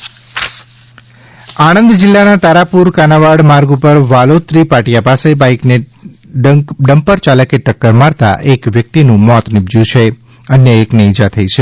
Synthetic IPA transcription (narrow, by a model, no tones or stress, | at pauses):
aɽ̃ənd̪d͡ʒɪlːanat̪aɾapuɾkanaʋaɽmaɾɡupəɾʋalot̪ɾipaʈjapasebaikne | ɖɖəmpəɾt͡ʃaləkeʈəkːəɾmaɾt̪a̰ʔekʋjək̚t̪inũmɔt̪nɪbd͡ʒjũt͡ʃʰe | ənjəekneid͡ʒat̪ʰəit͡ʃʰe